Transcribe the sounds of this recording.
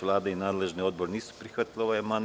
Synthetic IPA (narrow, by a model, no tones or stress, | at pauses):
vlˠaːd̪ainaːd̪lɛʒniod̪̚bɔɾnisu̥pɾixvat̪lʲˠoʋaɛman